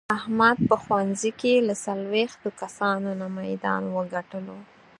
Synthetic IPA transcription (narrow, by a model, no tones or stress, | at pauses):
ahmad̪̚pəxwanzikelasalwext̪okasɑnonamajd̪ɑ̰nwəɡaʈəlo